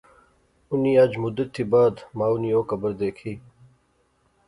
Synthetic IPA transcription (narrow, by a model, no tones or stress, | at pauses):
ʊniːɐd͡ʒmʊd̪ət̪ʰːiːbaːd̪maːʊniːoːkɐbəɾd̪eːkʰiː